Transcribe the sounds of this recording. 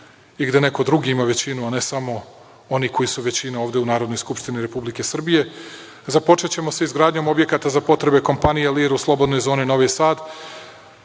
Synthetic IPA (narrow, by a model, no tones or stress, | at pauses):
iɡd̪e̞ne̞ko̞d̪ɾuɡiimaʋe̞t͡ɕinuane̞samo̞ | o̞niko̞jisuʋe̞t͡ɕineoːvd̪e̞unaːɾod̪no̞jskupʃt̪iniɾe̞publike̞sr̩bije̞ | zapo̞t͡ʂet͡ɕe̞mo̞seizɡɾaːd̪ɲo̞mo̞bje̞kat̪azapo̞t̪ɾe̞be̞ko̞mpanijeliːɾuslˠo̞bd̪no̞jzo̞ːnino̞ʋisaːd̪